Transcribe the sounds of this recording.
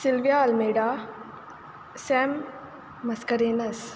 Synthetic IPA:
silʋijaɐlmeːɖaː | sɛmː | ɐskɐɾeːnɐs

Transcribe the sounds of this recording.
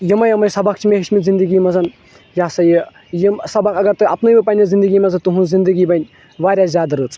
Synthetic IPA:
jimɐjɐmɐjsɐbak̚t͡ʃʰimʲeɦiʃmizind̪ɨɡiːmɐzɐn | jaːsɐji | jimsɐbakɐɡɐɾt̪ɨɐpnɨmʲipɐnʲɐzind̪ɨɡiːmɐzɐt̪uɦunzind̪əɡiːbɐnʲ | ʋaːɾʲjaːzʲaːd̪ɐɾɨːt͡sʰ

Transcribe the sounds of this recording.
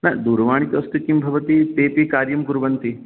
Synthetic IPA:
nɐd̪uːɾɐʋaːɳ̃it̪ɐst̪ukːimbʱɐʋɐt̪it̪eːpikaːɾjɐmkuɾʋɐnt̪i

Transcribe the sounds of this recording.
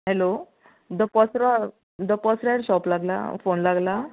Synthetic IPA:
ɦɛlo | d̪əpɔsɾa | d̪əpɔsɾaɽɕɔplaɡla̰fonlaɡla

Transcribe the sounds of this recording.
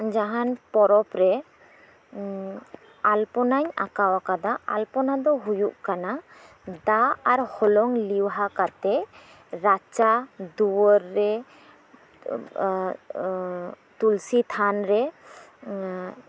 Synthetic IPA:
d͡ʒaɦanpɔɾɔpɾɛ | alpɔnaɲa̰kawakad̪aʔa̰lpɔnad̪ɔɦujuʔkana | d̪aaɾhɔlɔŋliwɦakat̪ɛ | ɾat͡ʃad̪uwɔɾːɛ | t̪ulsit̪ʰanɾɛ

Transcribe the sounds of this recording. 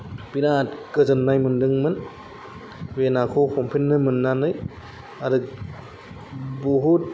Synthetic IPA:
pinatkɯzɯnːajmɯndɯŋmɯn | benakʰokʰɔmpʰinːɯmɯnːanɯj | aɾɯk̚ | bɔɦut̚

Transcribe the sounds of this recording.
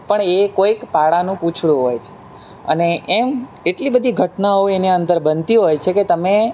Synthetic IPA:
pəɳekoikpaɽanũpũt͡ʃʰɽũɦojt͡ʃʰe̥ | ə̰neʔːm | eʈlibəd̪ʱiɡʱəʈnaɦoeniənd̪əɾbənt̪iɦojt͡ʃʰeket̪əme

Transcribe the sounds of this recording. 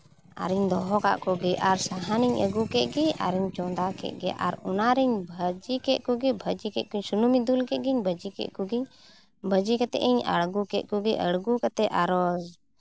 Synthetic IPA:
a̰ɾiɲd̪ɔɦɔka̰ʔkuɡiʔaɾsaɦaniɲəɡukɛʔ̪̚ɡɛa̰ɾɛɲt͡ʃɔ̃d̪akɛ̰ʔ̪̚ɡɛ̰ʔa̰ɾɔ̰naɾɛɲbʱəd͡ʒikɛʔ̪̚kuɡɛbʱəd͡ʒikɛʔ̪̚kuɲsunumid̪ulkɛʔ̪̚ɡiɲbʱəd͡ʒikɛ̰ʔkuɡiɲ | bʱəd͡ʒikat̪ɛ̰ʔiɲə̰ɽɡukɛʔ̪̚ˀkuɡɛʔəɽɡukat̪ɛʔaɾɔz

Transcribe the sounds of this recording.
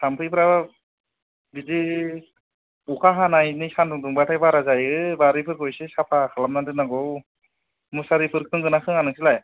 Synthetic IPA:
sampʰɯjpʰɾa | bidi | ukʰaɦanajnisandɯŋduŋbatʰajbaɾazajɯbaɾipʰɯɾkʰɔjsesapʰakʰalamnadɯnaɡɔw | musaɾipʰɯɾkʰɯŋɡɯnakʰɯŋanɯksilaj

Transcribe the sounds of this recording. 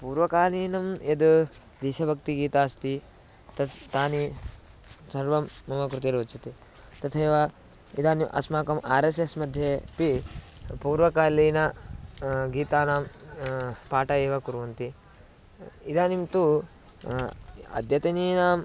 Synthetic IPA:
puːɾʋɐkaːliːnɐmed̪u | d̪iʃɐbʱɐk̚t̪iɡiːt̪aːst̪i | t̪ɐt̪aːni | sɐɾʋɐmːɐmɐkɾut̪iɾoːt͡ʃʰɐt̪i | t̪ɐt̪ʰeːʋɐ | id̪aːniʔɐ̰smaːkɐmʔaːɾesesmɐd̪ʱjeːpipuːɾʋɐkaːliːnɐ | ɡiːt̪aːnaːm | paːʈɐeːʋɐkuɾʋɐnt̪i | id̪aːnimt̪u | ɐ̰d̪ʱjɐt̪ɐniːnaːm

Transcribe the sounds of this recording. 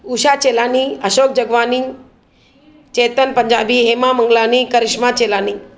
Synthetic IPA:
uːʃaːt͡ʃeːlaːniːəʃoːk̚d͡ʑəɡʋaːni | t͡ʃeːt̪ənpəɲd͡ʑaːbiːɦeːmaməŋɡlaːniːkəɾɪʃmat͡ɕeːlaːniː

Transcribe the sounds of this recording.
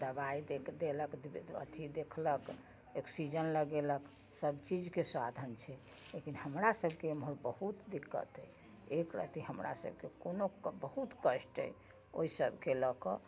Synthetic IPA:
d̪əbaid̪ekd̪eləkdə̰t̪ʰid̪ekʰlək | oksid͡ʒənləɡelək | səbt͡ʃid͡ʒkesad̪ʱənt͡ʃʰɛ | lekinhəmɾasəbʱkemɦoɾbəhut̪d̪ikːə̰t̪ə | ekɾə̰t̪iɦəmɾʔa̰sə̰b̚ʱkekonobəhut̪kəsʈə̰j | o̰isəbʱkelɔkɔ

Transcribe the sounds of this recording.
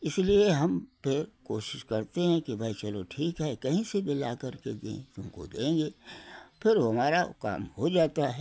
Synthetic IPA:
ɪslieɦɐmpɪkoːʃɪ̥ʃkɐɾt̪eɦɛ̃kibʱɐit͡ʃɐloʈʰiːkɦɛkɐɦĩsebɪlakɐɾked̪ḛ̃ːt̪ʊmko̰d̪ḛ̃ːŋɡeːpʰɪɾɦɐmaːɾaka̰ːmhod͡ʒaːt̪aɦɛ

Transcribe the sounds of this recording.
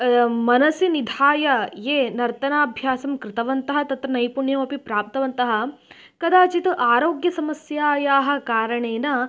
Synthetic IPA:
mɐnɐsinid̪ʱaːjɐjeːnɐɾt̪ɐnaːbʱjaːsɐmkɾɪt̪ɐʋɐnt̪ɐɦɐt̪ɐt̪ɾɐnɐjpuɳjɐmɐpipɾaːp̚t̪ɐʋɐnt̪ɐɦɐ | kɐd̪aːt͡ʃit̪uʔaːɾoːɡjɐsɐmɐsjaːjaːɦɐ̆kaːɾɐɳeːnɐ

